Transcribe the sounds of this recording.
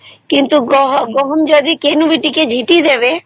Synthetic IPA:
kint̪uɔɦɡɔɦɔmd͡ʒɔd̪ikenubiʈiked͡ʑʱiʈid̪ebe

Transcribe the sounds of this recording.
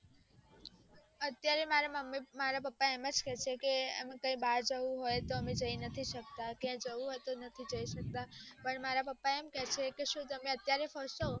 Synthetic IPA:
ət̪jaɾemaɾaməmimaɾapəpːaeməd͡ʒkɛt͡ʃʰekeəmãkə̃ĩbaɾd͡ʒəũɦojt̪oəmed͡ʒəinət̪ʰiʃək̚t̪akãd͡ʒəũɦojt̪onət̪ʰid͡ʒəiʃək̚t̪apəɳmaɾapəpːaemkɛt͡ʃʰekeʃũt̪əmeət̪jaɾefəɾʃo

